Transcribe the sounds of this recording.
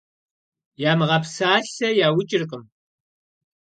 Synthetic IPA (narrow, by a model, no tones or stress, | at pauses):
jaːmɨʁɐpsaːɬɐjaːwʊt͡ʃʼɪrqʼɨm